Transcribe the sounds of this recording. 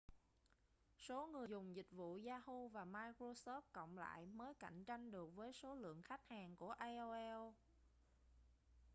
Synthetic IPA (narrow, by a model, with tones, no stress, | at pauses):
so˨˦ŋɨ˨˩əjzʊ˨˩ŋ͡mzï˨˩k̟̚vṵ˧˨zaː˧hu˧vaː˨˩maː˧jkɾo˧sɔ˦˥p̚kə̰˧˨wŋ͡mla̰ː˧˨jməː˨˦jka̰˧˨jŋ̟t͡ɕa˧jŋ̟ɗɨ˨˩ək̚vəː˨˦jso˨˦lɨ̰˧˨əŋxa˦˥k̚haː˨˩ŋku˧˩əʔaː˧jʔo˧ʔɛ˧w